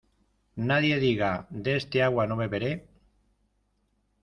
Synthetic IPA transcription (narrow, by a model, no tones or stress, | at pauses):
naðje̞ðiɣad̪eest̪eaɣwanoβe̞βe̞ɾe